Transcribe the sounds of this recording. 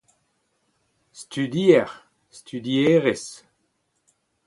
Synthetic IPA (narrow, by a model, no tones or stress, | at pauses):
st̪yd̪iɛʁ | st̪ʰyd̪ieʁes